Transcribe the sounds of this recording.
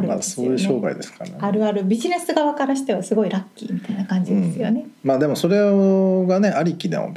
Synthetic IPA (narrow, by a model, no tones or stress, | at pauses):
ɾɯmasoːjɯ̟ɕo̞ːɡa̰ḭd̪e̞sɨ̥kaeaɾɯ̟aɾɯ̟bʲiʑine̞sɨɡaβakaɾaɕi̥t̪e̞βasɨɡo̞iɾakʲːḭːmʲit̪ainakãɲ̟d͡ʑid̪esɨjo̞ne̞maːd̪e̞mo̞so̞ɾe̞ɡane̞ʔaɾʲikʲid̪ḛ̃o̰